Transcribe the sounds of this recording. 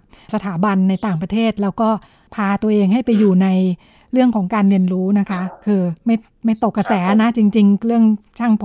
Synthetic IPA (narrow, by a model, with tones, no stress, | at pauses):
sa˧t̪ʰaː˩˦ba˧nːa˧jt̪aː˨˩ŋpɾa˧t̪ʰeː˥˩t̪̚lɛː˦˥wkɔː˥˩ | pʰaː˧t̪u˧əʔeː˧ŋɦa˥˩jpa˧jːuː˨˩na˧j | ɾɯ˥˩əŋkʰɔː˩˦ŋkaː˧nli˧ənɾuː˦˥na˦˥kʰa˦˥kʰɯː˧ma˥˩j | ma˥˩jt̪o˨˩kːa˧sɛː˩˦na˦˥t͡ɕi˧ŋt͡ɕi˧ŋɾɯ˥˩əŋt͡ɕʰaː˥˩ŋpʰ